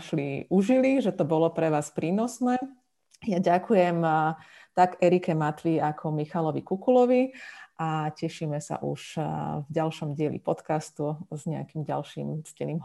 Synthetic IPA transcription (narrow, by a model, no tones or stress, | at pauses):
ʃliuʒiliʒɛt̪ɔbɔlɔpɾɛʋaːspɾiːnɔsnɛː | jaɟakujɛm | t̪aɡɛɾikɛmat̪ʋiakʰɔmixalɔʋḭkukulɔʋiʔacɛʃimɛsa̰ʔṵʃvɟalʃɔmɟɪɛlḭpɔt̪kast̪uzɲɛa̰kimɟa̰lʃḭːmscɛniːm